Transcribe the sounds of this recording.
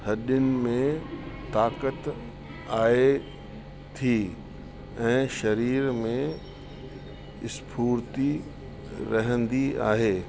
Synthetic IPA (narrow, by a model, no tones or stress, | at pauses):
hɐɗʊnɪ̆mẽt̪aːkət̪ | aːe | t̪ʰiː | ɛ̃ːʃɐɾiːɾmẽ | ɪspʰuːɾt̪i | ɾɐɦə̃nd̪ia̰ːɦeː